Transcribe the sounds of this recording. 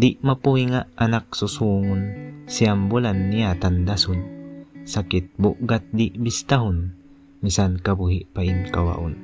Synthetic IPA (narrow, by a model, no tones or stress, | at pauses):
d̪iʔmapuhiŋaʔanak̚sʊsuːŋʊnsiambulanːiat̪and̪asʊnsakit̪̚bʊʔɡat̪̚d̪iʔbist̪aɦʊn | misankabuɦiʔpaʔinkawa̰ʔʊn